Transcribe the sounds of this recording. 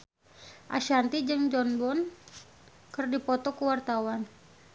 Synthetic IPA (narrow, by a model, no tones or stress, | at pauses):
ʔa̰ʃant̪id͡ʒɨŋd͡ʒɔnbɔn | kərdipɔt̪ɔkəwart̪awan